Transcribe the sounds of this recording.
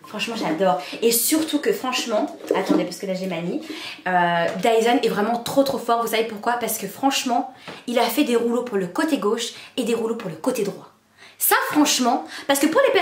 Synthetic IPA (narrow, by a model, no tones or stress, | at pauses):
fχɑ̃ʃmɑ̃ʒad̪ɔːʁesyʁt̪ukəfχɑ̃ʃmɑ̃at̪ɑ̃d̪epasəkənaʒɛmaniød̪ajzanɛvʁɛmɑ̃t̪χot̪χofɔʁvusavepuʁkwapaʁsəkəfχɑ̃ʃmɑ̃ilafɛd̪eʁulopuʁləkot̪eɡoʃed̪eʁulopuʁləkot̪ed̪ʁwa | safχɑ̃ʃmɑ̃paʁsə̥kəpuʁlepɛ